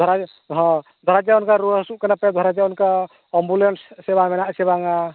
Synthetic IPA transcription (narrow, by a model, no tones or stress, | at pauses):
d̪ʱɔɾa | ɦɔ̃ | d̪ʱɔɾad͡ʒaɔnkaɾusuʔkanapɛd̪ʱɔɾad͡ʒaɔnka | ɔmbulenssɛbamɛnaʔsɛβaŋa